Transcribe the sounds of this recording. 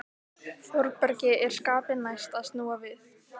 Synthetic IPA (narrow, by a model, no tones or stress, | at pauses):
fɔɾpœɾcɪʔɛɾ̥skaːpɪnajst̪aðst̪nuːavɪθ